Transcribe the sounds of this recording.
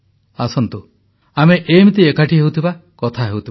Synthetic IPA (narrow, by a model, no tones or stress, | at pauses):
asɔnt̪u | ameʔemit̪iekaʈiɦewt̪ʰibakɔt̪ʰaɦewt̪ʰib